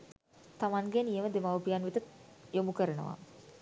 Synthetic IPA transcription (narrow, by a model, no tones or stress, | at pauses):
t̪amaŋɡenijəməd̪emawpijanʋit̪əjomukəɾənə̰ʋa̰